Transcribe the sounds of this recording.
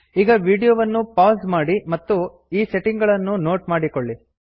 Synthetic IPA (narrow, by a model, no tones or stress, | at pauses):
iːɡɐʋiːɽijoːʋɐnːupaːsmaːɽimɐt̪ːu | iːseʈiŋɡɐɭɐnːunoːʈmaːɽikoɭːi